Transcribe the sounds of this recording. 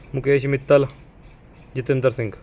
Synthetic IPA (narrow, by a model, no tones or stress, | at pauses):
mʊkeːʃmɪt̪ːəl | d͡ʒɪt̪ɪnd̪əɾsɪ̃ŋɡ